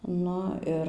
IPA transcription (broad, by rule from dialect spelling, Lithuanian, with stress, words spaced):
ˈnʊ ˈɪr